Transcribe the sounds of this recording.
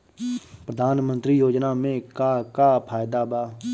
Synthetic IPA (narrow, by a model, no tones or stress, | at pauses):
pɾəd̪ʱaːnmə̃nt̪ɾiːjoːd͡ʒnaːmẽːkaːkaːpʰaːjd̪aːbaː